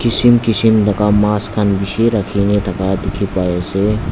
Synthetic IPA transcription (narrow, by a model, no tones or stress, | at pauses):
kɪsimkɪsimd̪ɐkamaːskʰanbiseɾəkʰinet̪ʰɐkad̪ɪkʰipaese